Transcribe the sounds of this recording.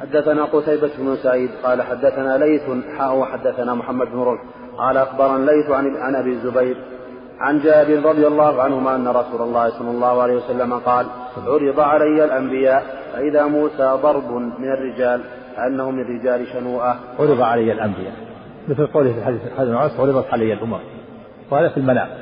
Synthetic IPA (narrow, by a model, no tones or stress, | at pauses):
ħad̪ːaθanaːqʊt̪ajbat̪ʊbnʊsaʕiːd̪qɑːlaħad̪ːaθanaːlajθʊħaːʔʊwaħad̪ːaθanaːmʊħamːad̪bnʊɾuːħ | qɑːlaʔaxbɑɾˤɑnlajθʕaʕanʔabiːzːʊbajɾ | ʕa̰nd͡ʒaːbɪɾɾˤɑd̪ˤɨjalˤːɑːhʊʕanhʊmaːʔanːaɾˤɑsuːlɑlˤːɑːhsˤɑlːɑlˤːɑːhʊʕalajhwasalːamaqɑːl | ʕʊɾɨd̪ˤɑʕalajːalʔambɪjaːʔfaʔɪðaːmuːsaːd̪ˤɑɾˤbʊmɪnarːɪd͡ʒaːl | faʔanːahʊmɪnarːɪd͡ʒaːlɪʃanuːʔaʕʊɾɨd̪ˤɑʕalajːalʔambɪja̰ːʔ | mɪθlqowlfilħad̪iːθħaiʕasʕʊɾɨðˤɑt̪ʕalajːalʔʊmam | whaːðafilmana̰ːm